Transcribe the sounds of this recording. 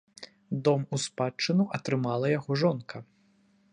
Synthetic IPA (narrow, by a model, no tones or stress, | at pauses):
d̪ɔmuspat͡ʂːɨnuʔɐt̪ɾɨmalˠɐjaɣɔʐɔnkʰɐ